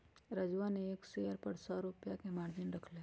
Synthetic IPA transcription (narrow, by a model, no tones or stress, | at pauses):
ɾəd͡ʒʋaneːksejəɾpɐɾsɔːɾʊpjakemaːɾd͡ʒɪnɾɐkʰle